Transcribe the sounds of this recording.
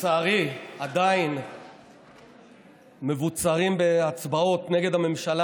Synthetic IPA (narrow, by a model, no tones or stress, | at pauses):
aːʁiad̪ain | me̞vut͡saʁimbeat͡sbao̞t̪ne̞ɡe̞d̪hame̞mʃala